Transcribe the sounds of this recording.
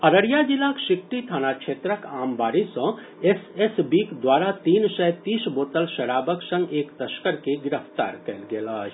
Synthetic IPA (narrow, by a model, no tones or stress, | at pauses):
ɐɾəɽjad͡ʒɪlːakʃɪk̚ʈit̪ʰaːnakʃʰeːt̪ɾəkaːmbaːɾisɔ̃ | esesbiːkd̪waːɾat̪iːnʃɛːt̪iːsboːt̪əlʃɐɽaːbəksə̃ŋɡeːkt̪ɐʃkəɾkeɡɪɾəft̪a̰ːɾkɛlɡelaː